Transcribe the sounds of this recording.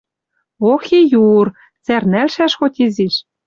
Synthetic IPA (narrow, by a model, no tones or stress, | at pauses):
oxejur | t͡særnælʃæʃxot̪ʲiziʃ